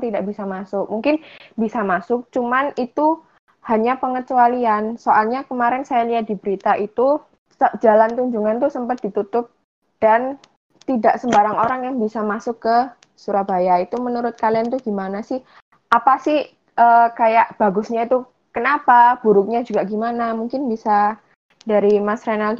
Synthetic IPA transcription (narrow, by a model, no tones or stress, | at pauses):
t̪idaʔbisamasʊk̚muŋkɪnbisamasʊk̚t͡ʃumanit̪u | haɲapəŋət͡ʃualiansoʔalɲakəmaɾɛnsajaliat̪̚d̥i̤bəɾit̪aʔit̪u | səd͡ʒalant̪uɲd͡ʒuŋant̪usəmpat̪̚d̥i̤t̪ut̪ʊp̚ | d̥an | t̪idaʔsəmbaɾaŋoɾaŋjaŋbisamasʊkːə | suɾabajait̪umənuɾʊt̪̚kaliant̪uɡimanasɪh | ʔapasɪh | ʔəkajaʔb̥aɡʊsɲait̪u | kənapab̥uɾʊk̚ɲad͡ʒuɡaʔɡimanamuŋkɪnbisa | daɾimasɾanal